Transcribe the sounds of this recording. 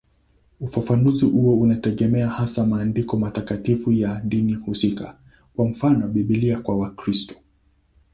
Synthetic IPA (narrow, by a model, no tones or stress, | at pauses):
ufafanuzihuɔunatɛɠɛmɛahasamaːndikɔmatakatifujaɗinihusika̰ | kwam̩fanɔɓiɓiliakwawakɾistɔ̥